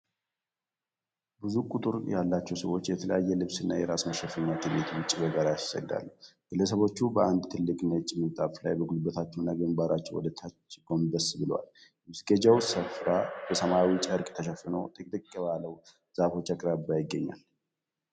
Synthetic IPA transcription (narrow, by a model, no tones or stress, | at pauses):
bɨzukʼut̪ʼɨɾjalːat͡ʃːɛwsəwo̞t͡ʃːjɛt̪ʰələ̰jajːɛlɨβsɨnːajɛɾasməʃəfɨɲːat̪ʰɨbet̪wʊt͡ʃʼːibəɡaɾajssə̰ɡd̪a̰lːəɡ̥ɨlːəsəβo̞t͡ʃːubəʔand̪t̪ʰɨlːɨkʼmət͡ʃʼːɪmɨnt̪ʼafla̰jbəɡulbət̪ʰat͡ʃːɛnːaɡɨmbaɾat͡ʃːɛwɔ̰d̪ət̪ʰət͡ʃɡʼo̞md̪əsbɨlwa̰l | ɨsɡəd͡ʒawsəfɾab̥əsəmawit͡ʃʼəɾkʼt̪ʰəʃɛfːɨnəwt̪ʼɨkʼt̪ʼɨkʼːəβaləw | z̥afo̞t͡ʃːakʼɾabajɪɡːəɲːa̰l